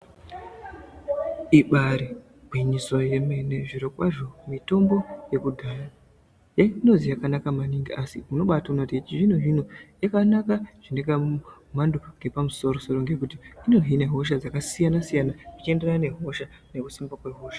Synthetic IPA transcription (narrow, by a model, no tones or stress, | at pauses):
iɓaɾi | bʱwiɲiso̞je̞me̞ne̞ʐiɾokwaʐo̞mito̞mbo̞je̞kudʱaja | jeino̞zijakanakamaniŋɡiʔasimuno̞ɓataunotit͡ʃiʐin̤uʐin̤ujakanakaʐ̥ine̞kamumanduŋɡe̞pamuso̞ɾo̞so̞ɾo̞ŋɡe̞kutiinoɦine̞ɦo̞ʃ̬ad͡zakasijanasijanaʐit͡ʃie̞nde̞rane̞ɦo̞ʃa | ne̞kusimbakwe̞ɦo̞ːʃḁ